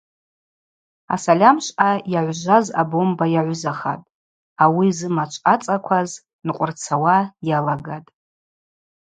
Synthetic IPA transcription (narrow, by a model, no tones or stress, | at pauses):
a̰salʲamʃʷajaʕʷʒʷaza̰bo̞mbajaʕʷzaχa̰tʼ | awizɨmat͡ʃʷʰʼat͡sʼakʷʰaz | nqʷʼʊrt͡sʰawajalaɡatʼ